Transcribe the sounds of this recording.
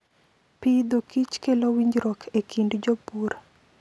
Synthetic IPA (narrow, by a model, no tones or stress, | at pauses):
pid̪okit͡ʃkelowiɲd͡ʒɾɔkʰekindd͡ʒopuɾ